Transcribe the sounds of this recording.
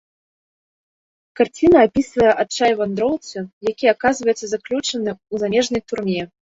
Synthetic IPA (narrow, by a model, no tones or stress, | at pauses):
kart͡sʲinɐːpʲisvɐjɛʔat̪̚t͡ʂajvand̪ɾɔw̪ˠt̪sɨjakʲiakazvɐjɛt̪sːɐzaklʲut͡ʂɐnɨuzamʲɛʐnɐjt̪urmʲɛ